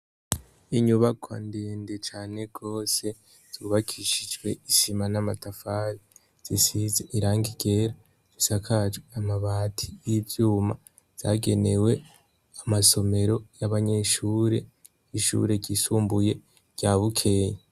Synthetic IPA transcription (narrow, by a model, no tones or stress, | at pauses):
iɲuβakʰwa̰ndeːndet͡ʃaːne̞ɡ̥o̞ːse̞ | z̥uβakʰiʃid͡ʒɡwe̞iʃimanamatafaɾi | z̥isizeʔiɾaːŋɡiɡ̥e̞ɾa | z̥isakʰad͡ʒweamaβaːtʰijivjuːma | z̥aɡe̞ne̞we̞ | amaso̞me̞ɾo̞jaβaɲe̞ʃuːɾe̞ | iʃṵɾe̞ɟisuːmbuje̞ | ɟ̥aβukʰe̞ɲa